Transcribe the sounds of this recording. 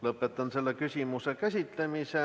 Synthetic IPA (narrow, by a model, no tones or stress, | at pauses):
lɤpːet̪ːˑɑnselːekysimusekæsʲit̪lemise